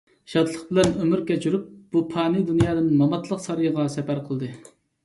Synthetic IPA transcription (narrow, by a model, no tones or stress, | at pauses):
ʃɑt̪lˠəχbɪlɛnømyɾkʲɛt͡ʃʰyɾyp̚b̥upʰɑːnɨd̪unjɑːd̪ɨnmɑmɑt̪lˠəqsɑɾɨjəʁɑsɛpæɾqʰəlˠd̪ɨ